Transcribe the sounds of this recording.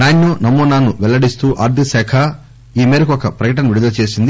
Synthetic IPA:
naːnjoːnɐmːoːnaːnuʋɛlːɐɽist̪uːʔaːɾd̪ʱisɛːkʰɐ | iːmeːɾɐkuɔkɐpɾɐkɐʈɐnɐʋiɽud̪ɐlɐt͡ʃe̞ːsind̪i

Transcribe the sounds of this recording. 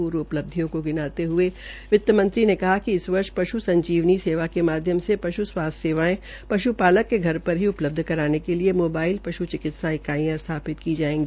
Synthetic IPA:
uːɾʊpləb̚d̪ʱijõkoɡɪnaːt̪eɦʊe | ʋɪt̪ːjəmɐ̃nt̪ɾinekɐɦakiɪsʋɐɾʃpɐʃusɐ̃ɲd͡ʒiːʋniseːʋakemaːd̪ʱjəmsepɐʃuswaːsseːʋaːẽ | pɐʃupaːləkːeɡʱɐɾpɐɾɦiʊpləb̚d̪ʱkɐɾaːnekeliemoːbaːɪlpɐʃut͡ʃɪkɪt̪saɪkaːijãst̪ʰaːpɪt̪kid͡ʒaːẽːɡiː

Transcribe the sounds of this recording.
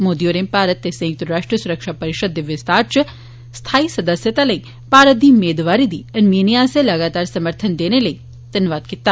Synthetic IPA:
moːd̪ijoːɾeːmpaːɾət̪ːesɐ̃ŋk̚t̪uɾɾaːʂʈɾəsuɾəkʃapɐɾɪʃəd̪ːiʋjəst̪aːɾt͡ʃə | st̪ʰaːisɐd̪əsjət̪alɐi | paːɾət̪̚d̪iːmeːd̪ʋaːɾid̪iɐnminijaselɐɡaːt̪aːɾsɐməɾt̪ʰənd̪eːneləi | t̪ɐnʋaːd̪̚kit̪ːa

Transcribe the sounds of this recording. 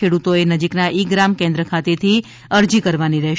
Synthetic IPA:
eɽut̪oenəd͡ʒiknaʔikɡɾamkẽnd̪ɾəkʰat̪et̪ʰi | əɾd͡ʒikəɾʋaniɾəɦ

